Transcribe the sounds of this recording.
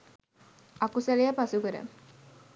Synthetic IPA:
akusalejapasukəɾə̰

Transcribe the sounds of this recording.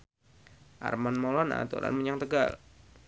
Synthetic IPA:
ʔa̰rmanmolɔna̰t̪ṵɾa̰nməɲaŋt̪əɡal

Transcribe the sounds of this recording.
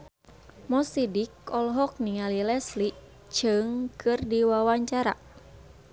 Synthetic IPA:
mɔsidikɔlɦɔk̚nialilɛsli | t͡ʃɨŋkɨrdiwawaɲt͡ʃaɾa̰

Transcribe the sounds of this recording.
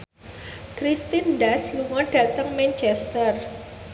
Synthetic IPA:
kɾist̪inɖasluŋɔɖ̥a̤t̪əŋmɛnt͡ʃɛst̪ər

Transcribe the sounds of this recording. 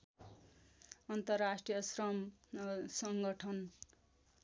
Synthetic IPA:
ʌnt̪ʌrasʈrijʌsrʌm | sʌŋɡʌʈʰʌn

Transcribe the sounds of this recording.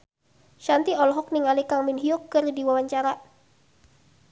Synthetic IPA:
ʃant̪iɔlɦɔk̚niŋalikaŋminɦiɔkːɨrdiwawaɲt͡ʃaɾa

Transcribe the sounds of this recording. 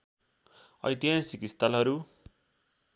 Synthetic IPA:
ʌ̰jt̪ijãnsikist̪alɦʌɾu

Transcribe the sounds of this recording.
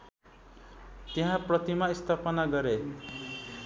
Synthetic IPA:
t̪eɦãprʌt̪imaist̪ʰapʌnaɡʌɾe

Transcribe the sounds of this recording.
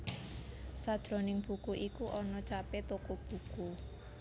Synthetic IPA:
sad̥ʒ̥ɾo̤nɪŋb̥ṳkuʔikuʔɔnɔt͡ʃapet̪okub̥ṳku

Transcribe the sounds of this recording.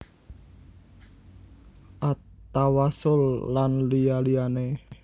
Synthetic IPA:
ʔat̪awasʊlːanlijaliane

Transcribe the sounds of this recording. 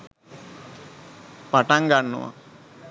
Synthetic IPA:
paʈaŋɡanːṵʋa̰

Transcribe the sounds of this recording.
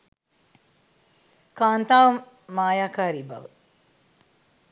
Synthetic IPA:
kaːnt̪aːʋɐm | maːjaːkaːɾibɐ̰ʋə

